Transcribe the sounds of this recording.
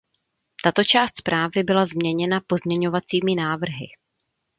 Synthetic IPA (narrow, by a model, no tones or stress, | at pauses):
t̪at̪o̞t͡ʃaːst̪spɾaːvɪbɪlazmɲɛɲɛnapo̞zmɲɛɲo̞vat͡siːmɪnaːvr̩ɦɪ̰